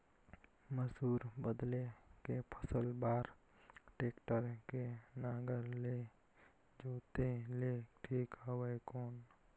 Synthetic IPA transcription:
məsuːɾbəd̪lekepʰəsəlbaːɾ | ʈeːkʈəɾkenaːɡəɾle | d͡ʒoːt̪eleʈʰiːkawəekoːn

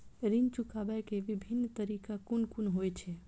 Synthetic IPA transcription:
ɾint͡ʃukabakeʋibʱinːt̪əɾikakunkunɦojt͡ʃʰɛ

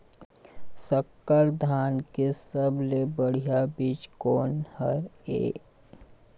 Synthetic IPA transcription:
səkːəɾd̪ʱaːnkesəblebəɽ̤ijabiːt͡ʃkoːnhəɾḛː

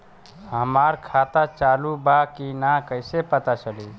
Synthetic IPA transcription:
ɦəmaɾkʰat̪at͡ʃalubakinakəɪsepət̪at͡ʃəli

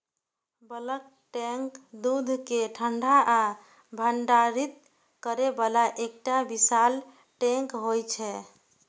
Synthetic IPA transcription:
bələk̚ | ʈeŋkd̪ud̪ʱkeʈʰəɳɖʱaʔa | bʱəɳɖaɾit̪ | kəɾebalaʔekʈabisal | ʈɛ̃ŋkɦojt͡ʃʰɛ

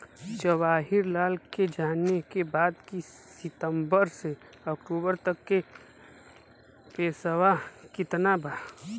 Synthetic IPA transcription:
d͡ʒəʋaːɦɪɾlaːlked͡ʒaːnekebaːd̪ki | sɪt̪ə̃mbəɾse | ɐkʈuːbəɾt̪ɐkːe | peːsəʋakɪt̪nabaː

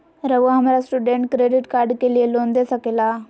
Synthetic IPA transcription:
ɾəʋuɦamɾasʈuɖeɳʈkɾeɖiʈkaɾɖkelielond̪esəkela

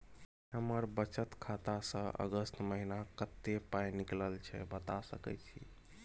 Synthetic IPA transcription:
ɦəməɾbət͡ʃət̪kʰat̪asə̃ʔə̰ɡəst̪məɦinakət̪ːepajnikləlt͡ʃʰɛ̰bət̪asəkɛ̰t͡ʃʰḭ

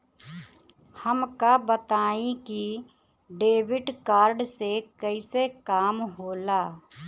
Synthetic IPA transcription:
həmkabət̪aːĩki | ɖeːwɪɖkaːɾɖsekəɪsekaːmɦoːlaː

